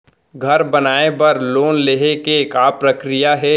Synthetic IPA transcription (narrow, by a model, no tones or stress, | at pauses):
ɡʱɐɾbɐnaːebɐɾloːnleːɦekekaːpɾəkɾijaɦɛː